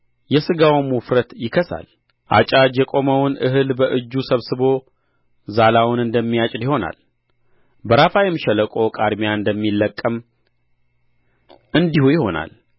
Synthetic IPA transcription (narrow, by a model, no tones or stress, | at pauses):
jɛsɨɡawmufɾət̪jɪkʰəsa̰l | ʔa̰t͡ʃʼad͡ʒjɛkʼo̞məwʊnʔɨɦɨlbəʔɨd͡ʒːusəβsɨβo̞ | zalawʊnɨnd̪əmːijat͡ʃʼd̪iho̞na̰l | bəɾafajɛmʃɛləkʼo̞kʼaɾmijaɨnd̪əmːilːəkʼːəm | ɨnd̪ihujɪho̞na̰l